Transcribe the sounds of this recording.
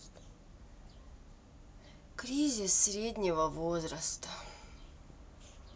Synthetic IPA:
kɾʲizʲɪsːɾʲedʲnʲɪvəvozɾəst̪ə

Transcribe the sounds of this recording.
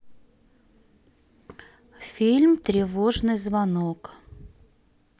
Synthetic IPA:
fʲilʲmt̪ɾʲɪvoʐnɨjzvɐnok

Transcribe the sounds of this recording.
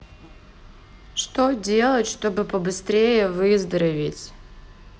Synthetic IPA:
ʂt̪odʲe̞lˠətʲʂt̪o̞bɨpəbɨst̪ɾʲejəvɨzd̪əɾɐvʲɪtʲ

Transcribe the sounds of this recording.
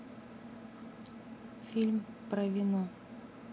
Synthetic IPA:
fʲilʲmpravʲino

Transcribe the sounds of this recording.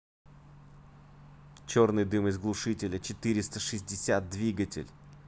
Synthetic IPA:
t͡ɕo̞rnɨjd̪ɨmɪzɡlˠʊʂɨtʲɪlʲət͡ɕɪt̪ɨɾʲɪst̪əʂɨzʲdʲɪsʲat̪̚d̪vʲiɡətʲɪ̰lʲ

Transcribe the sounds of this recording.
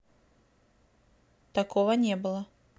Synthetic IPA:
t̪akɔvɐnʲɛbɨlˠɐ

